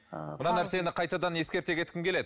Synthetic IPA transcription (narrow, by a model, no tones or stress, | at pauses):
mʊnɑnæɾse̞nɪqʰɑjt̪ɑd̪ɑnje̞skʲe̞ɾt̪e̞kʲʰe̞t̪kʲɪmkʲʰe̞le̞d̪ɪ